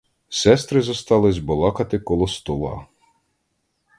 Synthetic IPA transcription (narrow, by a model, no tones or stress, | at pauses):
sɛst̪ɾɪzɔst̪ɑlˠɪzʲbɔlˠɑkɐt̪ɪkɔlˠɔst̪ɔlˠɑ̰